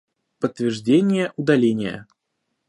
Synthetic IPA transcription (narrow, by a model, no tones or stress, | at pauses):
pət̪ːvʲɪrʐdʲenʲɪjəʔʊd̪ɐlʲenʲɪjə̰